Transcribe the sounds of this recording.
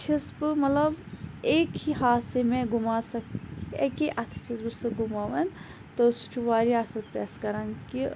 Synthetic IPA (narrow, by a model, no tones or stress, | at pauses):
t͡ʃʰisbɨmɐt̪lɐbekiɦaːsemẽɡumaːsɐkekiʔɐt̪ʰt͡ʃʰisbɨsɨɡumaːʋɐn | t̪ɔsut͡ʃʰuʋaːɾiaːsɐlpɾḛːskɐɾaːnki